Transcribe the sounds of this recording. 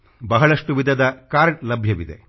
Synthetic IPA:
bɐɦɐɭɐʂʈuʋid̪ʱɐd̪ɐkaːɾɐʈlɐbʱjɐʋid̪e̞̰

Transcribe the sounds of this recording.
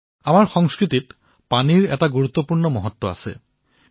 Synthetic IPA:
amaɹxɔŋskɹitit | paniɹɛ̰taɡuɹut̪ːɔpuɹnɔmɔɦɔt̪ːɔa̰sɛ̰

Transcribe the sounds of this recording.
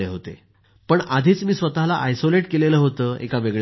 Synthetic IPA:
eɦot̪ḛ | pəɳad̪ʱiːt͡smiːsʋət̪alaʔajsoleʈkeleləːɦot̪əːḛkaʋeɡɭ

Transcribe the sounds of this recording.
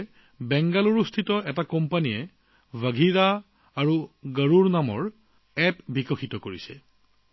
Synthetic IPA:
bɛŋɡaluɹustʰitɔʔɛtakɔmpanijɛ | vʱaɡʱiɹa | aɹuɡəɹuɹnamɔ̰ɹ | ɛpbikɔxitɔkoɹisɛ̰

